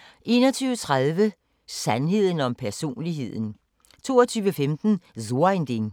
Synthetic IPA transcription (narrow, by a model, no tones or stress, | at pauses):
ʔe̝̰ːnɒt͡sʰyːʊət͡sʰʁaðˠʋə | sænɦe̝ð̞̰ˠən̩ɒ̽mpʰæɐso̝̰ːnliɦe̝ð̞̰ˠn̩ | t͡sʰo̝̰ːɐt͡sʰyːʋəfemd̥n̩zoend̥eŋ